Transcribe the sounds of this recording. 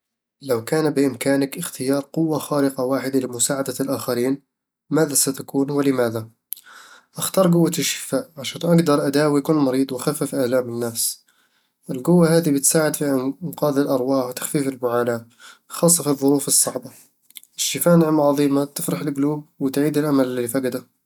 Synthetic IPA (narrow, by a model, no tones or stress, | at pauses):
ləwkæːnbəʔəmkaːnəkʔəxt̪əjɑːɾˤqʊwːaxɑːɾəqɑwaːħəd̪alɪmʊsaːʕad̪alʔaxɑɾiːn | mæd̪asat̪akuːnwələmæd̪a | ʔəxt̪ɑːɾˤɡʊwːaəʃɪ̥faʔʕaʃænʔaɡd̪ɑɾˤʔad̪awijkunmɑɾiːd̪ˤwxafːəfʔaʕlamənːæfs | ʔəlɡʊwːaɦæːd̪ibət̪saːʕɪəd̪fiʔənqɑd̪əlʔɑɾˤwɑːħwt̪ḁxfifəlmʊʕana | xɑsˤːɑfilðˤʊɾuːfəsˤːɑʕbɑ | əʃːifaʔnʕəmʕɑðˤiːmat̪əfɾɑħəlɡluːb̚wt̪ʕiːd̪əlʔaməlllifaɡd̪a